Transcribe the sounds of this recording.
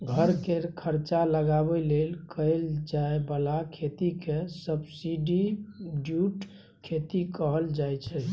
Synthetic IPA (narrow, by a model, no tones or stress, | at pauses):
ɡʱəɾkekʰəɾt͡ʃaləɡabɛlelkʰəɪld͡ʒaebəlakʰet̪ikesəbsiɖiɖjuʈ | kʰet̪ikəɦəld͡ʒajt͡ʃʰɛ